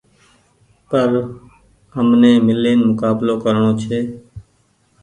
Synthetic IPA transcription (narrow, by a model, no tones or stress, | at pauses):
pəɾ | ɦəmnẽːmɪleːnmʊkaːbloːkəɾɳoːt͡ʃʰeː